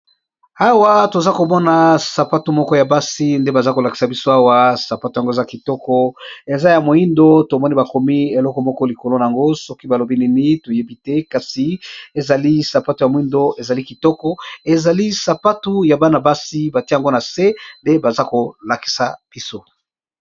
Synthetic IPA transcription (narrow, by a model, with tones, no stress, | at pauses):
a˦wa˦to˨za˦ko˨mɔ˦na˨sa˨pa˦tu˨mɔ˦kɔ˦ja˨ba˦si˦nde˦ba˨za˦ko˨la˨ki̥˨sa˨bi˦so˦a˦wa˦sa˨pa˦tu˨a˨ŋɡo˦e˨za˦ki˨tɔ˦kɔ˦e˨za˦ja˨mo˨i˦ndo˦to˨mɔ˦ni˦ba˨kɔ˨mi˦e˨lɔ˦kɔ˨mɔ˦kɔ˦li˨ko˨lo˦na˨a˨ŋɡo˦sɔ˦ki˦ba˨lo˨bi˦ni˦ni˦to˨je˦bi˦te˦ka˨si˨e˨za˨li˦sa˨pa˦tu˨ja˨mo˨i˦ndo˦e˨za˨li˦ki˨tɔ˦kɔ˦e˨za˨li˦sa˨pa˦tu˦ja˨ba˦na˨ba˦si˦ba˨ti˦˨a˨ŋɡo˦na˨se˦nde˦ba˨za˦ko˨la˨ki̥˨sa˨b̥i˦so˦